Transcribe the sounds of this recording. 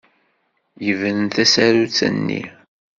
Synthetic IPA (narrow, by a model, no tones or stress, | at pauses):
jəvənθæsæɾut͡sːə̰nːḭ